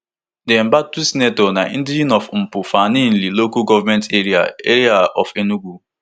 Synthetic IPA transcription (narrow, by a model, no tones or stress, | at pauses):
dem̩batusinetonaĩdiinɔfm̩pʊfanin̩lilokuɡɔvamɛ̃nteɾia̰eɾiaɔ̰fenuɡʷu